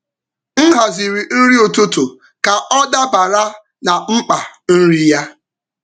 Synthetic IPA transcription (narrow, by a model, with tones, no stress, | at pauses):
ŋ̩˦ɦa˨zi˨ɾi˨n̩˦ɾi˦o˨to˦to˨ | ka˨ʔɔ˦da˦ba˨ɾa˦ | na˨ŋ͡m̩˦k͡pa˨n̩˦ɾi˦ja˦